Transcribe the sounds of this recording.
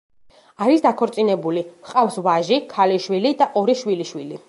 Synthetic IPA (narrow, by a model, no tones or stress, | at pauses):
aɾisd̪akʰɔɾt̪sʼinɛbuliχqʼafsvaʒikʰaliʃwilid̪aʔɔɾiʃwiliʃwili